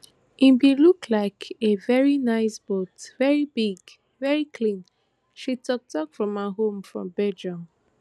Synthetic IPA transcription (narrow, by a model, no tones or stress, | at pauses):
ĩnbilukʰlaɪkʰevɛɹinaɪsb̥otvɛɹibiɡ | vɛɹikʰlĩn | ʃitɔk̚tɔkfɹɔ̃maɦõmfɹɔ̰̃mbɛd͡ʒɔ̃m